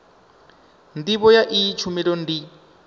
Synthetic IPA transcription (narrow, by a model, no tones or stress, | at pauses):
n̩diβɔjaʔit͡ʃʰumiɺon̩di